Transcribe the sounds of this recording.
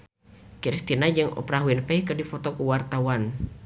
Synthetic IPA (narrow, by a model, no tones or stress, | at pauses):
kiɾist̪inad͡ʒɨŋɔ̰pɾaɦuinfɛjkɨdifɔt̪ɔkuwart̪awan